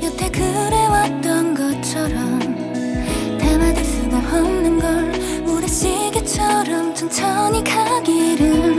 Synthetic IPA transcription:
jʌtʰekɯɾewat͈ʌnɡʌt͡ɕʰʌɾʌm | temades͈ɯdohʌnnɯnɡʌɭ | oɾeɕ͈iɡet͡ɕʰʌɾʌmt͡ɕont͡ɕʰʌɲikʰaɡiɾɯ

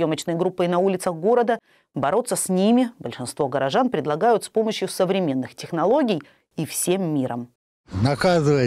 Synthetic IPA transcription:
jo̞mət͡ɕnɨjəɡɾupːɨinɐulʲɪt̪səxɡo̞ɾəd̪ə | bɐɾo̞t̪səsʲnʲimʲɪbəlʲʂɨnst̪vo̞ɡəɾɐʐanpɾʲɪd̪lˠɐɡajʊt̪spo̞məɕjʊsəvɾʲɪmʲe̞nːɨxtʲɪxnɐlˠo̞ɡʲɪj | ifsʲe̞mːʲiɾə̰m | nɐkazɨvə

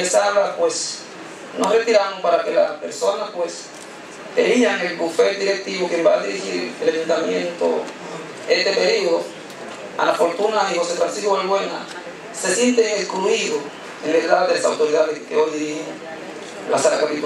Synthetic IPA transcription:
esaβapwes | nosret̪iɾaɾoŋpaɾakelapeɾsonapwes | ḛɾiaŋelbufeld̪iɾek̚t̪iβokjembaðiɾihiɾeleβunt̪amjent̪o̰ | est̪epeɾioðo | a̰lafoɾt̪unaihosefɾansiskoalβweŋa̰ | sesjent̪eŋelkluiɣo | enleðaðelasa̰wt̪oɾiðaðeskeojiɾiŋ | lasaɾakot̪it̪u

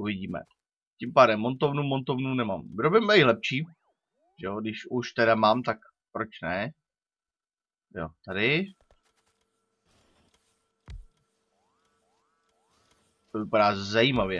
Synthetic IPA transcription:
uvɪɟiːmɛ̰ | cimpaːdɛmːont̪ovnuːmont̪ovnunɛmaːmɾobɪmɛɪlɛpʃiː | ʒɛodɪʃuʃt̪ɛdamaːmt̪ak | pɾot͡ʃnɛ | jo̰t̪adɪ | t̪ovɪpadaːzajiːmavjɛ

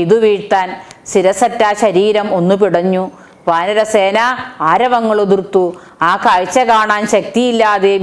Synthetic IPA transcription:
iðuʋiːt̪ːaːnsiɾɐsɐtːaːɕɐɾiːɾɐmo̞nːupiɽɐɲːu | ʋaːnɐɾɐseːnaaːɾɐʋɐŋːɐɭoðirt̪ːu | aːkaɻt͡ɕːɐkaːɳaːnɕɐk̚t̪ijilːaːðe

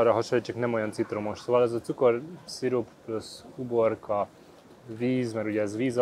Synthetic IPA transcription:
ɾaɦɔʃoit͡ʃɛknɛmojant͡sit̪ɾomoʃsoʋalɛzɔt̪t͡sukoɾsiɾuppluskuboɾkʰɑ | ʋiːzmɛɾuɟɛɛzʋiːz

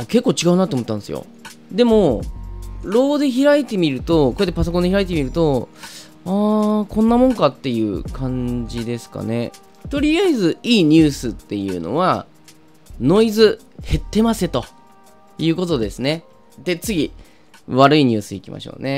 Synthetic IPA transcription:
ake̞kːoːt͡ɕiɡaɯ̟nat̪ːoːmot̪ːãnesɨjo̰ | d̪e̞mo̞ | ɾo̞ːd̪e̞çiɾait̪e̞mʲiɾɯ̟t̪o̞koɾet̪ːe̞pasoko̞nd̪eiɾait̪e̞mʲiɾɯ̟t̪o̞ | aːkõ̞nːamõ̞ŋkat̪ːe̞jɯ̟̰ːkʰãɲ̟d͡ʑid̪e̞sɨ̥ka̰ne̞̰ | t̪o̞ɾʲijaizɨiːɲ̟ɨːsɨt̪ːe̞jɯ̟̰ːno̞̰βa | no̞izɨ | he̞t̪ːe̞mase̞t̪o̞ | jɯ̟ːko̞t̪o̞d̪e̞sɨne̞ | d̪̥e̞t͡sɨɡʲi | βaɾɯ̟iɲ̟ɨːsɨḭkʲimʔa̰ɕo̞̰ːne̞

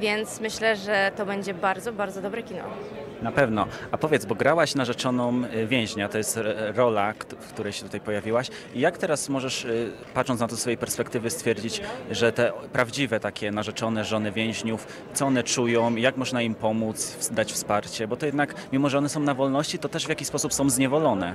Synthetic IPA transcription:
vʲjɛnt̪smɘɕlɛʐɛt̪ɔbɛɲd͡ʑɛbaɾd̪zɔbaɾdzɔd̪ɔbɾɛkʲinɔ̰ | napɛvnɔapɔvʲjɛt̪zbɔɡɾawaɕnaʐɛt͡ʂɔnɔmvʲjɛ̃w̃ʑɲat̪ɔjɛst̪ɾɔlafkt̪uɾɛjɕɛt̪ut̪ajpɔjavʲiwaɕ | ijakt̪ɛɾasmɔʐɛʂ | patʂɔnat̪ɔsfɔjejpɛɾspɛkt̪ɘvɘst̪fʲjɛɾd͡ʑit͡ɕʐɛt̪ɛpɾavd͡ʑivɛt̪akʲɛnaʐɛt͡ʂɔnɛʐɔnɘvʲjɛ̃w̃ʑɲuf | t̪ɔɔnɛt͡ʂujɔ̃w̃ijakmɔʐnaimpɔmut̪sfd̪at͡ɕfspaɾt͡ɕɛbɔt̪ɔjɛd̪nakmʲimɔʐɛɔnɛsɔ̃w̃navɔlnɔɕt͡ɕit̪ɔt̪ɛʐvjakʲispɔsupsɔ̃w̃zɲɛvɔlɔnɛ

